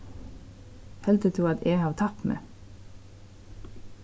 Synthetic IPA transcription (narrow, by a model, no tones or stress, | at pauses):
hɛld̪ət̪ʰuːɑd̪eːhɑːʋt̪ʰɑt̪mḛː